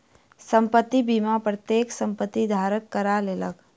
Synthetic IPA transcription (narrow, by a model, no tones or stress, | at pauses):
sə̃mpət̪ːibimapɾət̪jeːksə̃mpət̪ːid̪ʱaːɾəkːəɾaleːlək